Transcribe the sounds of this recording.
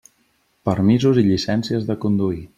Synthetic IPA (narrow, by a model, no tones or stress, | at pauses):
pəɾmizuziʎisɛnsiəzðəkund̪ui